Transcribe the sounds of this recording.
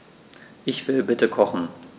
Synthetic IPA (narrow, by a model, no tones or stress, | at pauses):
ʔɪçv̥ɪlbɪtəkʰɔχn̩